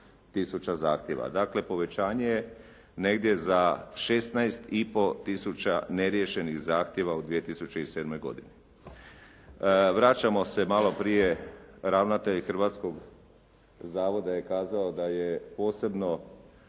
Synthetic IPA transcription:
t̪isut͡ɕaza̰ːxt̪jeʋa̰d̪akle̞po̞ʋe̞t͡ɕaːɲe̞je | ne̞ɡd̪je̞zaʃe̞st̪najst̪ipo̞t̪isut͡ɕa̰ne̞ɾjeʃe̞nixzaːxt̪je̞ʋaud̪ʋijet̪isut͡ɕe̞ise̞ːd̪mo̞jɡo̞d̪ine | ʋɾat͡ɕamo̞se̞malo̞pɾije̞ɾaʋnat̪e̞ʎxr̩ʋat̪sko̞ɡ | zaːʋo̞d̪aje̞kaːzaod̪ajepo̞ːse̞bno̞

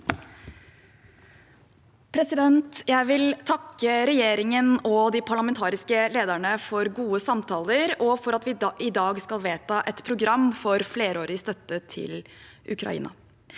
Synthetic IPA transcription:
pʰɾɛsɪd̪ɛnt̪jæɪʋɪlt̪ʰɑkːəɾɛjeːɾɪŋənɔd̪ɪpʰɑɭɑmɛnt̪ʰɑːɾɪskəleːd̪æɳəfɔɾɡuːəsɑmt̪ʰɑːləɾɔfɔɾɑt̪ʋɪʔɪd̪ɑːɡskɑlʋeːt̪ɑːʔɛt̪pʰɾʊɡɾɑmːfɔɾfleːɾəoːɾɪəst̪œt̪ːət̪ʰɪ̰l | ʔʉ̰kʰɾɑ̰ḭːnɑ̰

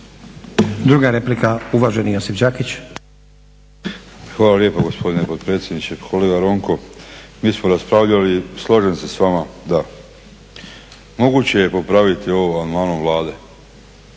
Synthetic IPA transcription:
d̪ɾuːɡaɾe̞plikauʋaʒe̞nijosifd͡ʑaːkit͡ɕ | xʋaːlalje̞poɡo̞spʰo̞d̪inepot̪pɾeːt̪sjed̪nit͡ʃekʰo̞leɡaɾo̞ŋko̞miːsmoɾaspɾaʋʎalislˠoʒe̞nse̞sʋamad̪a | mo̞ɡut͡ɕe̞je̞po̞pɾaʋit̪io̞ʋoanmanuʋlˠaːd̪e̞

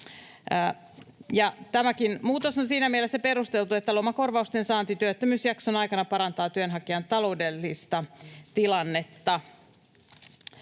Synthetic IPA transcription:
jɑt̪æmækinmuːt̪osonsiːnæmielesːæpeɾust̪elt̪uet̪ːælo̞mɑko̞rʋɑust̪ensɑːnt̪it̪yøt̪ːømyːsjɑksonɑikɑnɑpɑɾɑnt̪ɑːt̪yønɦɑkiɑnt̪ɑlo̞udelːist̪ɑt̪ilɑnːet̪ːɑ

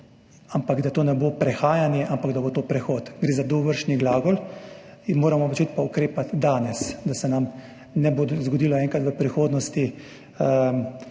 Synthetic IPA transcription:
ampaɡd̪at̪oːnɛbopɾɛxaːjanjɛʔampaɡd̪aboːt̪oːpɾɛxoːt̪ɡɾeːzad̪oʋəɾʃniɡlaːɡɔl | inmoːɾamɔpɔt͡ʃet̪paukɾeːpat̪d̪aːnɛsd̪asɛnam | nɛbozɡɔd̪iːlɔɛːŋkat̪ʋəpɾixoːd̪nɔst̪i

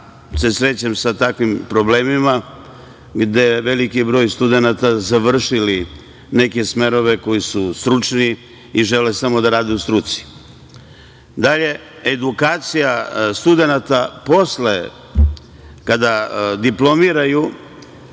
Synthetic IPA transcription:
se̞sɾe̞t͡ɕemsat̪akʋimpɾo̞ble̞ːmima | ɡd̪e̞ʋe̞likibɾo̞ːjst̪ud̪e̞nat̪azaʋr̩ʃili | ne̞ke̞sme̞ɾo̞ʋe̞ko̞jisust̪ɾut͡ʃni | iʒe̞lesamo̞d̪aɾaːd̪eust̪ɾut̪si̥ | d̪aʎe̞ | ed̪ukaːt̪sijast̪ud̪e̞nat̪apo̞sle | kad̪ad̪iplo̞miɾaju

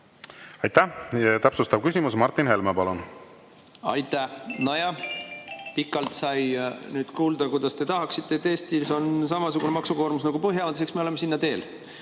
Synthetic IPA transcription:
ɑjt̪ːæjɑt̪æpsust̪ɑb̥̚kysʲimusmɑɾt̪ːˑinhe̞lmepɑlun | ɑ̰jt̪ːˑæhnɑjɑ | pikːˑɑlt̪sɑjnyːd̪̥kuːld̪̥ɑkujd̪̥ɑst̪e̞t̪ɑɦɑksit̪ːˑe̞et̪ːˑe̞ːst̪iso̞ns̬ɑmɑsuɡ̥une̞mɑksuko̞ːɾmusnɑɡ̥upɤɦjɑmɑd̪ese̞ksmeo̞le̞mesinːɑt̪e̞ːl

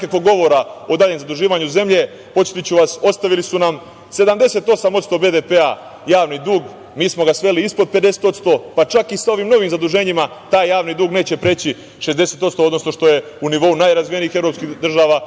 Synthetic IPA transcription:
kakʋo̞ɡo̞ʋo̞ɾao̞d̪aːʎe̞mzad̪uʒiːʋaɲuze̞mʎe̞ | po̞t͡ʃ̪e̥t̪it͡ɕuʋaso̞t̪st̪aʋilisunam | se̞d̪amd̪e̞se̞t̪o̞samot̪st̪o̞be̞d̪e̞pe̞a | jaːʋnid̪uːɡ | miːsmo̞ɡasʋe̞liispo̞d̪̚pe̞d̪e̞set̪o̞t̪st̪o̞pat͡ʃakisao̞ʋimno̞ʋimzad̪uʒe̞ɲima | t̪aːjːaːʋnid̪uːɡneːt͡ɕe̞pɾet͡ɕi | ʃe̞zd̪e̞se̞t̪o̞t̪st̪o̞o̞d̪no̞sno̞ʃt̪o̞je̞ | uniʋo̞unaːjɾazʋijenixe̞ʋɾo̞pskid̪r̩ʒaːʋaː

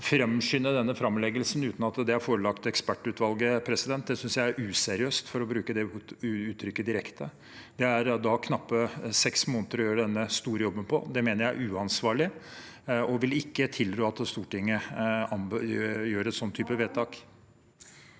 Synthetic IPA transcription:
fɾɛmʂʏnːəd̪ɛnːəfɾɑmlɛɡəlsn̩ʉːt̪n̩ɑt̪d̪ɛæɾfoːɾəlɑkt̪ɛkspæʈːʉːt̪ʋɑlɡəpʰɾɛsɪd̪ɛnt̪̚d̪ɛsʏnsjæɪæɾʔʉːsɛɾɪøːst̪fɔɾɔbɾʉːkəd̪ɛʉːt̪ʰɾʏkːəd̪ɪɾɛkt̪ə | d̪ɛæɾd̪ɑkʰnɑpːəsɛksmoːnət̪əɾɔjøːɾəɖɛnːəst̪uːɾəjɔbːənpʰɔ̰d̪ɛmeːnəɾjææʉːɑnsʋɑːɭɪ | ɔʋɪlɪkːət̪ʰɪld̪ɾøːɑt̪st̪uːʈɪŋːəɑmjøːɾəɛt̪sɔnt̪ʰːyːpəʋeːt̪ʰɑːk

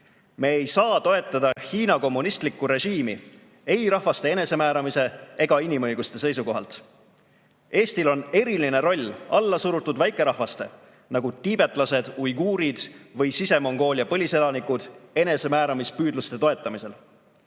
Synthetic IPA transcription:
me̞ːejsɑːt̪o̞e̞t̪ˑːɑd̪̥ɑçiːnɑko̞mːunist̪likːuɾe̞ʒiːmi | e̞jɾɑhvɑst̪e̞ene̞se̞mæːɾɑmise̞e̞ɡ̥ɑinimɤ̞jɡust̪e̞se̞jsuko̞ɦɑ̰lt̪ | e̞ːst̪ilo̞ne̞ɾiline̞ɾo̞lʲːɑlːɑsuɾut̪ːˑud̪væjkˑːe̞ɾɑhvɑst̪e̞̰ | nɑɡut̪ib̥e̞t̪ˑlɑse̞d̪̥ujɡuːɾid̪̥vɤjsise̞mo̞ŋɡ̥o̞ːliɑpɤlʲise̞lɑnikud̪̥e̞ne̞se̞mæːɾɑmispyːd̪lust̪e̞t̪o̞e̞t̪ˑːɑmise̞l

